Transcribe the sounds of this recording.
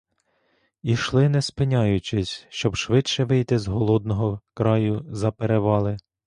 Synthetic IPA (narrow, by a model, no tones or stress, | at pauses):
iʃlˠɪnɛspɪnʲɑjʊt͡ʃɪsʲʃt͡ʃɔbʃʋɪtʃɛʋɪjt̪ɪzɦɔlˠɔd̪nɔɦɔkɾɑjʊzɐpeɾeʋɑlˠɪ